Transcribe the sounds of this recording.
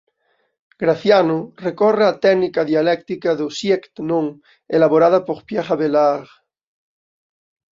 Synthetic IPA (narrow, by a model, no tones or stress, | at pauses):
ɡ̥ɾaθjanorekɔreat̪ɛɡnikaðialɛkt̪ikaðosjekt̪nõŋ | elaβoɾaðapoɾpjaχaβelaʁ